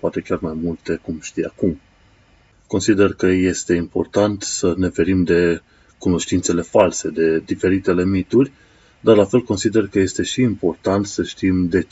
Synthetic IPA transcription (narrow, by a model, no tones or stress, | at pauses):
poat̪e̞kʲarmajmult̪e̞kumʃt̪ija̰kum | ko̞nsid̪e̞rkəje̞st̪e̞impo̞̰rt̪ant̪səne̞fe̞ɾimd̪e̞ | kuno̞ʃt̪int̪se̞le̞false̞d̪e̞d̪ife̞ɾit̪e̞le̞mit̪urʲ | d̪arlafe̞lko̞nsid̪e̞rkəje̞st̪e̞ʃiːmpo̞rt̪ant̪səʃt̪imd̪e̞